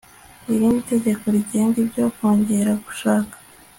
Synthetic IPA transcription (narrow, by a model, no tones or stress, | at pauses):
iɾinite̞ɟe̞ko̞ɾiɟe̞ːŋɡibɟokoːɲɟe̞ɾaɡu̥ʃaːkḁ